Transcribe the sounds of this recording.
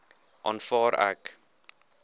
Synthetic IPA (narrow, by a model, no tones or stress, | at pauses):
ʔɑnfɑːɾæ̰k